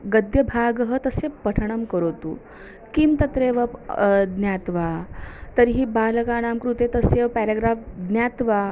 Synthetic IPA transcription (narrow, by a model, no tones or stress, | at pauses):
ɡəd̪jɐbʱaɡəɦət̪əsepəʈʰɐɳ̃ɐmkəɾot̪ṵː | kimt̪ɐt̪ɾeːʋɐd̪njat̪ʋat̪əɾɦiːbaːləkaːñaːmkɾut̪et̪əseʋpɛɾaɡɾafd̪njaːt̪ʋa